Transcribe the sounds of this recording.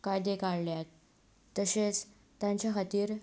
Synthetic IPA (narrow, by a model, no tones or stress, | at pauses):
kajd̪ekaɽljat̪ː | əɕet͡s | t̪aɲt͡ɕjaɦat̪iːɾ